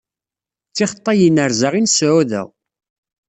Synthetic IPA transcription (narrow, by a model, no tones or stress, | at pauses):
t͡sːiχət̪ˤːɑjənəɾzaʁinsʕuðæ̰ʁ